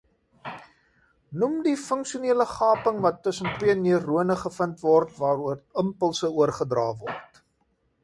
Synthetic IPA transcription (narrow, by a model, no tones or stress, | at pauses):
numdifəŋkʃiuniələχɑːpəŋvɐtːəsəntwiəniərːuənəχəfəntvɔrtvɑːɾuərəmpəlˠsəuərχədrɑːvɔrt